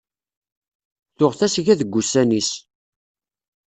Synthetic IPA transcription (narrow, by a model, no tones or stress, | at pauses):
θʊʁθæsʝæðəɡʷːusænis